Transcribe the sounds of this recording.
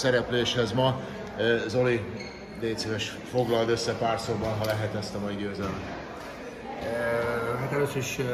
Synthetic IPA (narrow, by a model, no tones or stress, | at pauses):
sɛɾɛpleːʃhɛzmɒ | zo̞li | d̪eːt̪sevɛʃ | fo̞ɡlɒld̪ø̞sːɛpaːrsoːbɒnɦɒlɛɦɛt̪ɛst̪ɒmɒiɟøːzɛlɛmt̪ | ɦat̪ɛløːsøiʃ